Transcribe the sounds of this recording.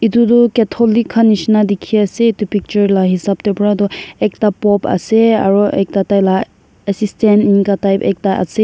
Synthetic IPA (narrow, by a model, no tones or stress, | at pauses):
itudɔketʰɔlikʰːanisnadikʰːiaseitupik̚t͡ʃɐɾlaɦisap̚tepɾadɔek̚tapɔpʰɐ̰sea̰ɾɔʔek̚tatajla | esisteniŋkatajpek̚taʔɐ̰se